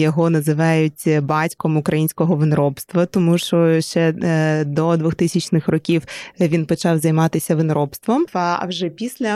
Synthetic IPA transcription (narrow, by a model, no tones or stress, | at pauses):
jɔɦɔnɐzɪʋɑjʊtʲbɑtʲkɔmʊkɾɐjinʲsʲkɔɦɔʋɪnɾɔpst̪ʋɐt̪ɔmuʃt͡ʃɔʃt͡ʃɛd̪ɔd̪ʋuxt̪ɪsʲɐt͡ʃnɪxrɔkʲiwʋʲinpɔt͡ʃɑwzɐjmɑt̪ɪsʲɐʋɪnɾɔpst̪ʋɔmɐ̰wʒɛpʲisʲlʲɐ